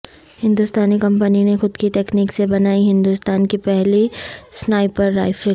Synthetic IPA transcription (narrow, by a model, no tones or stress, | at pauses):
hɪ̃nd̪ʊst̪aːnikɐ̃mpəninexʊd̪kit̪ɛːkniːksebɐnaːiɦɪ̃nd̪ʊst̪aːnkipɛɦlisnaːipɐɾːa̰ːɪfe